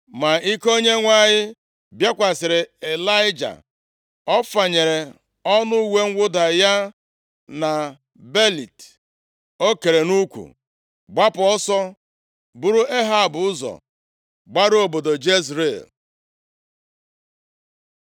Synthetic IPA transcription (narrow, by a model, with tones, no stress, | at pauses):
ma˨i˦ko˦ɲe˦ŋʷa˦ɲɪ˦ | bja˦kʷa˨sɪ˨ɾɪ˨e˨la˦ɪ˦d͡ʒa̰˨ | ɔ˦fa˨ɲe˨ɾe˨ | ɔ˦nʊ˦we˦ŋ̩˦ɡʷʊ˦da˨ja˦ | na˨ | be˦li˨t | o˦ke˨ɾe˨nu˦kʷṵ˨ | ɡ͡ba˦pʊ˨ɔ˦sɔ˦ | bu˦ɾu˦e˦ɦa˦˨bʊ˨ʊ˦zɔ̰˨ | ɡ͡ba˦ɾo˨bo˨do˨d͡ʒe˦zɾe˦˨l